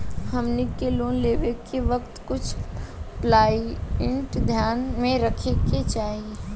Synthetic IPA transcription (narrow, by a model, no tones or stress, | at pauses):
həmnikːeloːnleːʋekeʋəkt̪kʊt͡ʃʰplaːiɪɳʈd̪ʱjaːnmẽɾəkʰeket͡ʃaːɦie